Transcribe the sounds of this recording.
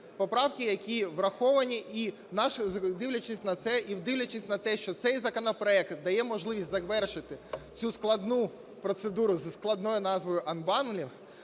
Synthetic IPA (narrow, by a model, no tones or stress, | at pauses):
pɔpɾɑwkɪjɐkʲiʋrɐxɔʋɐnʲiʔi | nɑʃd̪ɪwlʲɐt͡ʃɪsʲnɐt̪sɛʔiwd̪ɪwlʲɐt͡ʃɪsʲnɐt̪ɛʃt͡ʃɔt̪sɛjzɐkɔnɔpɾɔɛkt̪d̪ɐjɛmɔʒlˠɪʋʲisʲtʲzɐʋɛrʃɪt̪ɪt͡sʲusklˠɐd̪nu | pɾɔt̪sed̪uɾʊzsklˠɐd̪nɔjʊnɑzʋɔjʊʔɐnbɑnlʲinx